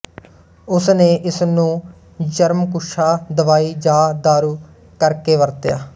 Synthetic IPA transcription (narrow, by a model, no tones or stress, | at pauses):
ʊsneːʔɪsnũː | d͡ʒəɾmkʊʃʰaːd̪əʋaːiːd͡ʒaːd̪aːɾuː | kəɾkeːʋəɾt̪ja̰ː